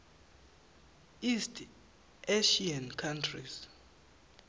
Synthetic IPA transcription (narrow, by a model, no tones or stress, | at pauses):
istʰ | eʃiankʰantʰris